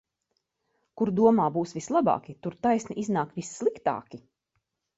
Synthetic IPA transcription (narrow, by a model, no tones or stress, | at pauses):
kuɾd̪uɔmaːbuːsvislˠabɑ̰ːkit̪uɾt̪ajsniʔiznaːkvisːlˠikt̪a̰ːkʲi